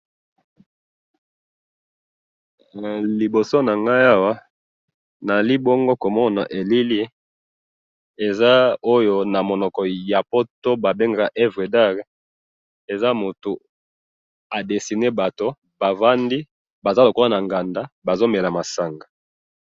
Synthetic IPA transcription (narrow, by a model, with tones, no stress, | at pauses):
li˨bo˨so˦na˨ŋɡa˦ja˦wa˦ | na˨li˦bo˦ŋɡo˦ko˨mɔ˦na̰˨ʔe˨li˦li˦ | e˨za˦o˦jo˦na˨mo˨nɔ˨kɔ˨ja˨po˦to˦ba˨be˦ŋɡa˨ʔe˦vʁe˨da˦ʁ | e˨za˦mo˨tu˨ | a˨de˨si˨ne˦ba˨to˦ | ba˨va˦ndi˦ | ba˨za˦lo˨ko˦la˦na˨ŋɡa˨nda˦ba˨zo˦me˨la˨ma˨sa˨ŋɡa˨